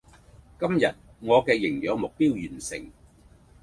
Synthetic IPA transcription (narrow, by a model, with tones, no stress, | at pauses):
kɐ˥mjɐ˨t̚ | ŋɔː˨˧kɛː˧jɪ˨˩ŋjœː˨˧ŋmʊ˨k̚piː˥wjyː˨˩nsɪ˨˩ŋ